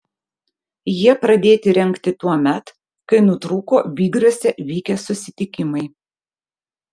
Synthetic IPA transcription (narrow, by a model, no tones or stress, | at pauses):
jiɛpɾɐd̪ʲeːt̪ʲɪɾʲɛŋʲˑkt̪ʲɪt̪uɔmʲɛt̪ | kɐɪnʊt̪ɾʊkoːʋʲiːɡɾusʲɛʋʲiːkʲɛsʊsʲɪt̪ʲɪkʲɪmɐɪ